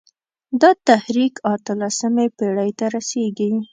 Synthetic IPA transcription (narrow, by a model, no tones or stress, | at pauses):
d̪ɑt̪ahɾikat̪əlasəmepeɽəjt̪aɾaseɡi